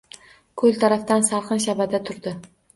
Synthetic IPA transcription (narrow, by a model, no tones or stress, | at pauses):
kʰɵlˠt̪ʰaɾaft̪ansaɾqɨnʃabad̪at̪ʰʊɾd̪ɪ